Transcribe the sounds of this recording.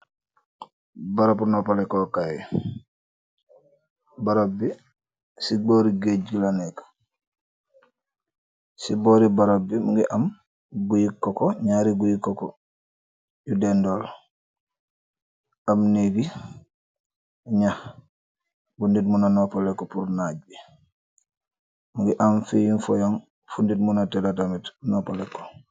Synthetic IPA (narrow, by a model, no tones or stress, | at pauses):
baɾopnopalekokaj | baɾobi | siboɾiɡeɟilanek | siboɾibaɾobimuɡiʔam | ɡujikːokoɲaɾiɡujikːoko̰ | ɟudɛndoːl | amnebi | ɲah | bunditmunanopalekːopuɾnaːɟ̚bi | muŋɡiʔamfijinfɔjoŋ | funditmunatelatamitnopalekːo̥